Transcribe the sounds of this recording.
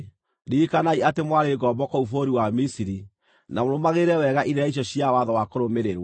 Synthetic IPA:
ɾikanaiatemwaɾeɡɔːbɔkɔufoɾiwamisiɾi | namoɾomaɣeɾɛwɛɣaʔiɾeɾaiɕ̬ɔɕiawaðɔwakoɾomeɾeɾwa

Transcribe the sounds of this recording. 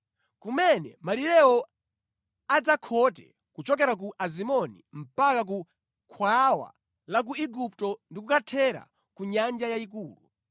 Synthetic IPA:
kumɛnɛ̰maliɾɛɔ | ad͡zakʰɔtɛ̰ | kut͡ʃɔk̬ɛɾak̬uʔazimɔnḭm̩pakak̬u | kʰwawa̰ | lak̬uiɡup̚tɔndikukatʰɛɾa̰ | kuɲand͡ʒajaik̬uːlṵ

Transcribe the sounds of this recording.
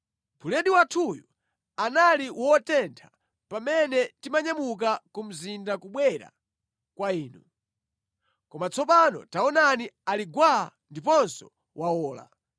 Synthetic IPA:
pʰulɛndiwatʰuju | analiwʔɔtɛntʰḁ | pamɛnɛtimaɲamuk̬akum̩zindakuɓwɛɾa̰ | kwaiːnu | kɔmat͡sɔp̬anɔ̰taɔnanialiɡwandipɔnsɔ | wawɔːla̰

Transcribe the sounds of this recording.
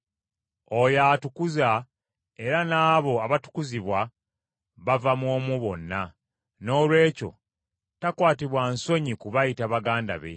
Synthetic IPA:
o̞jaːtukuza | e̞ɾanaːβo̞aβatu̥kuziβwa | βavamwoːmuβo̞nːa | no̞ːlwe̞ːco̞̰ | takwaːtiβwanso̞ɲikuβajitaβaɡaːnda̰βe̞̰

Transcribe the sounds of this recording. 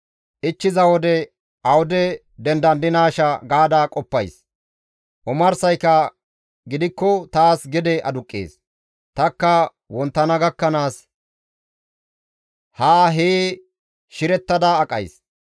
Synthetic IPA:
ʔɪt͡ʃːɪzɐwɔd̪ɛ | ʔɐwɔd̪ɛ | d̪ɛnd̪ɐnd̪ɪnaːʃɐɡaːd̪aːkʼɔpːɐjs | ʔɔmɐɾsɐjkːɐ | ɡɪd̪ɪkːɔt̪aːsɡɪd̪ɛʔɐd̪ʊkʼːḛːs | t̪ɐkːɐ | wɔnt̪ːɐnɐɡɐkːɐnaːs | haːɦe | ʃɪɾɛt̪ːɐd̪aːkʼːɐ̰js

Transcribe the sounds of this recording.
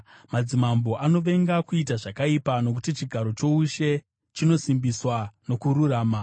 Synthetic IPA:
mad͡zimambo̞ʔano̞ʋe̞ŋɡakuitaʐakaipano̞k̬utit͡ʃiɡʱaɾo̞t͡ʃo̞uʃe̞ | t͡ʃino̞simbiswano̞kuɾuraːma

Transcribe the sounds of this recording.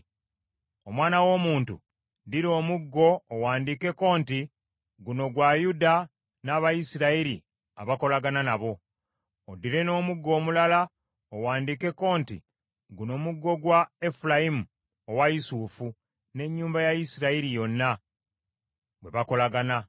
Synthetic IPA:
o̞mwaːnawo̞ːmuːntṵ | diɾo̞ːmuɡːo̞ːwaːndike̞ko̞ːnti | ɡuno̞ɡwajuda | naβajisiɾaiɾḭ | aβako̞laɡananaβo̞ | odiɾe̞no̞ːmuɡːo̞ːmulala | owaːndiːke̞ko̞ːntḭ | ɡuno̞ːmuɡːo̞ɡwae̞fulaimu | owajisufu | ne̞ɲːuːmbajajisiɾaiɾijo̞nːa | bwe̞βako̞laɡana

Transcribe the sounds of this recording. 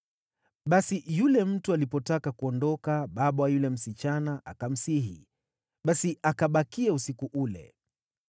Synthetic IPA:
ɓasijulɛm̩tualipɔtakakuɔndɔkaɓaɓawajulɛm̩sit͡ʃanaʔakam̩siɦḭ | ɓasiakaɓakiausikuʔulɛ̰

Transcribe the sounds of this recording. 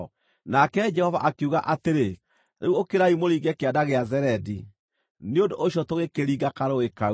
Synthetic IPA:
nakɛd͡ʒɛhɔva̰ʔakuɣaʔateɾe | ɾeuokeɾaimoɾiːɡɛkeadaɣeazɛɾɛdi | neondoʔoɕjɔtoɣekeɾiːɡakaɾoeka

